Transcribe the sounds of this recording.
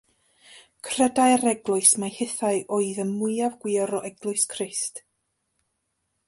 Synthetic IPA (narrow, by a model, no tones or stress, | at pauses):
kʰrədajɾɛɡlˠʊɨsmahɪθaɨʔoɨðənmʊjavɡ̥wɪəɾɔʔɛɡlˠʊɨskʰrɪst